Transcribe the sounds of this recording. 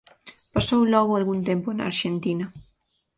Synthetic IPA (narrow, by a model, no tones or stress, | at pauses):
pasowlɔɣʊalɣunt̪empʊna̰ɾʃent̪inɐ